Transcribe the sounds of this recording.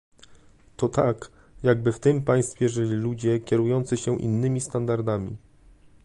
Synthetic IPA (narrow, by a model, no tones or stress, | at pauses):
t̪ɔt̪ak | jaɡ̚bɘft̪ɘmpaj̃st̪fʲjɛʐɘlʲilud͡ʑɛkʲɛɾujɔnt̪sɘɕɛʔḭnːɘmʲist̪and̪aɾd̪amʲḭ